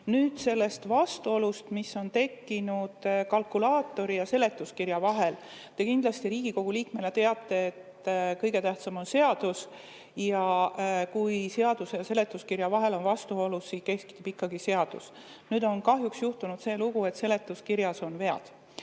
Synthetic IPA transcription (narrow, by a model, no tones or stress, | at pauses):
nyːd̪̥se̞lːe̞st̪vɑst̪uo̞lust̪misːo̞nt̪e̞kːinud̪̥kɑlkulɑːt̪ːˑo̞ɾijɑse̞le̞t̪ːˑuskiɾjɑvɑɦe̞lt̪e̞kind̪lɑst̪iɾiːɡ̥iko̞ɡ̥uliːkme̞let̪e̞ɑt̪ˑːe̞ːt̪ːkɤjɡe̞t̪æht̪sɑmo̞nse̞ɑd̪̥us | jɑkujse̞ɑd̪̥usejɑse̞le̞t̪ːˑuskiɾjɑvɑɦe̞lo̞nvɑst̪uo̞lusːiːke̞ski̥t̪ːub̥ikːɑɡise̞ɑd̪̥us | nyːd̪o̞nkɑɦjuksjuht̪unud̪se̞ːluɡ̥ue̞t̪se̞le̞t̪ːˑuskiɾjɑso̞nve̞ɑ̰d̪̥